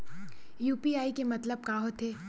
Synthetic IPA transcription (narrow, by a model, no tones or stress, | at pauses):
juːpiaːikemɐt̪ləb̚kaːɦot̪ʰeː